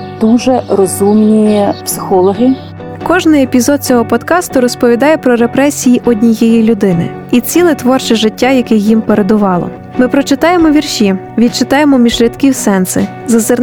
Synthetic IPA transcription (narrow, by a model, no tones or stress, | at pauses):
d̪̥uʒɛrɔzumnʲijipsɪ̥xɔlˠɔɦɪ | kɔʒnɪjepʲizɔd̪̚t͡sʲɔɦɔpɔt̪kɑst̪ʊɾɔspɔʋʲid̪ɑjɛpɾɔɾepɾɛsʲijiʔɔdʲnʲijɛjilʲʊd̪ɪnɪ̰ | it͡sʲilˠɛt̪ʋɔrt͡ʃɛʒɪtʲːajɐkɪxjimpeɾe̞d̪ʊʋɑlˠɔ̰ | mɪpɾɔt͡ʃɪt̪ɑjemɔʋʲirʃʲi | ʋʲid̪̚t͡ʃɪt̪ɑje̞mɔmʲiʒlʲɪt̪kʲiwsɛnsɪ̰ | zɐzɪr